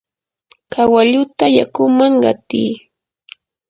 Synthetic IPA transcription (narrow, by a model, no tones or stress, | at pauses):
kawaʎʊt̪ajakʊmaŋɢɑt̪iː